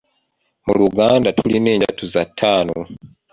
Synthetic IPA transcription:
muluɡaːndatulineːɲɟa̰tuzatʰːaːno

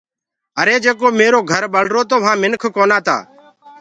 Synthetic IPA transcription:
əɾeːd͡ʒeːkoːmeːɾoːɡʱəɾɓəɽ̤ɾoːt̪oːʋɦãːmɪnkʰkoːnaːt̪a̰ː

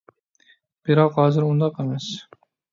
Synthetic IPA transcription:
b̥iɾɑqhɒːzɪɾʊnd̪ɑqemæs

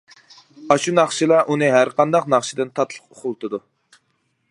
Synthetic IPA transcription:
ɑʃunɑχʃilˠɑʔunɨɦæɾqʰɑnd̪ɑqnɑχʃid̪ɨnt̪ʰɑt̪ʰlˠə̥qoχʰʊlˠt̪ʰɨd̪u

